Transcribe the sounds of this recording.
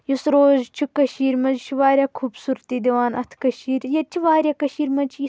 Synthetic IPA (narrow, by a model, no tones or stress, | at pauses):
jusɾoːzt͡ʃʰukɐʃiːɾmɐnzt͡ʃʰuʋaːɾʲjaːkʰuːbsuːɾt̪iːd̪ʲeʋaːnɐt̪ʰkɐʃiːɾjɐt͡ʃʰiʋaːɾjaːkɐʃiːɾmɐt͡ʃʰi